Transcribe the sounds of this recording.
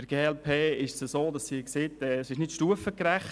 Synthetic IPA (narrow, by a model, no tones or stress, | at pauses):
əɾɡ̥eːɛlpʰeːɪʃsəsoːd̥ɑsːiːkseːtɛːsɪʃnɪtʃtuəfəkɾæχ